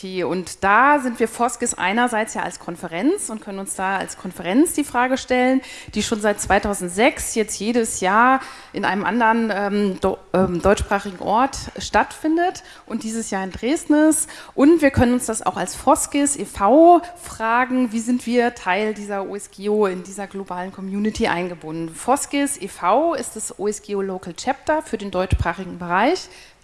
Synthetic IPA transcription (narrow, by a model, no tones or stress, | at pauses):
eʔʊntd̥aːzɪntv̥iːɐfɔskɪsʔa̰ɪnɐzaɪt͡sjaːa̰lskʰɔnfəʁɛnt͡sʊntkʰœnənʊnsd̥aːa̰lskʰɔnfəʁɛnt͡sd̥iːfʁ̥aːɡəʃtɛlənd̥iːʃoːnzaɪt̚t͡sv̥aɪtʰaʊzn̩tz̥ɛksjɛt͡stjeːɾəsjaːɐ | ʔɪnʔa̰ɪnəmʔandəʁənʔɛːmɛːdɔʏt͡ʃʃpʁ̥aːχɪɡŋ̩ʔɔ̰ɐtʃtatfɪndət | ʔʊntd̥iːzəsjaːɪndʁeːstn̩ɪsʔʊntv̥iːɐkʰœnənʊnsd̥asa̰ʊxa̰lsfɔskesʔefaʊfʁ̥aːɡŋ̩viːzɪntv̥iːɐtʰaɪldiːzɐʔṵːɛsɡ̥eːoɪndiːzɐɡlobaːlənkʰɔmjuːnɪtʰiʔa̰ɪnɡəbʊndn̩fɔsɡ̥esʔefaʊɪstd̥asʔoːɛsɡ̥eːoloːkl̩t͡ʃʰɛp̚tɐfyːɐdeːndɔʏt͡ʃpʁ̥aːχɪɡŋ̩bəʁaɪç